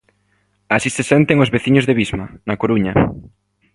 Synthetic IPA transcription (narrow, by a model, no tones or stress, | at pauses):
asisesɛnt̪eŋozβeθiɲozðeβizmanakoɾuɲa